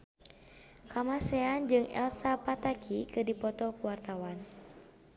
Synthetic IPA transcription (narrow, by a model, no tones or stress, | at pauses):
kamasɛand͡ʒɨŋɛ̰lsapat̪akʰikɨdipɔt̪ɔkuwart̪awan